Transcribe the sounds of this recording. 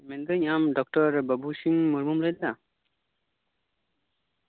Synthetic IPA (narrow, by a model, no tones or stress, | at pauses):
mɛnd̪ɯɲamdɔk̚ʈɔɾbabusiŋmuɾmumɾajda